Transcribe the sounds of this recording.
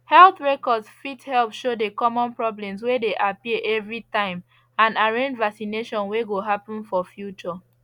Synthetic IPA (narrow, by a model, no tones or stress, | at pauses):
hɛlθɹɛkɔdsfithɛlpʃodekɔmɔ̃npɹɔblɛ̃mswedeʔapiəʔɛvɹitãɪ̃m | ãnaɹẽnd͡ʒvaksineʃɔ̃nweɡoɦapɔ̃nfɔfjut͡ʃɔ